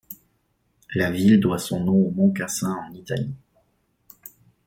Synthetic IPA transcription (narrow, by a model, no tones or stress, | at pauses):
lavild̪wasɔ̃nɔ̃omɔ̃kasɛ̃ɑ̃nit̪ali